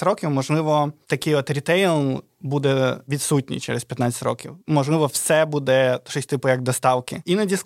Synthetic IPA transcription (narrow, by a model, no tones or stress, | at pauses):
ɾɔkʲiwmɔʒlˠɪʋɔt̪ɐkɪjɔt̪ɾʲit̪ɛjlˠ | bud̪ɛʋʲit̪sutʲnʲḭt͡ʃɛ̰ɾespʲjɐt̪nat͡sʲɪ̥tʲrɔ̰kʲḭwmɔʒlˠɪʋɔwsɛbud̪ɛtt͡ʃɔsʲt̪ɪpʊjɐɡ̚d̪ɔst̪ɑwkɪinɐdʲis